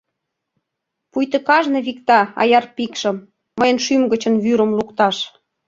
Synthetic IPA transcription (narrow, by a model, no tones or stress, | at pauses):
pujt̪ə̆kɑʒnɤ̆βikt̪ɑɑ̰jɑrpikʃə̆mː | əjə̆nʃymɡə̆t͡ɕə̆nβyɾə̆mlukt̪ɑʃ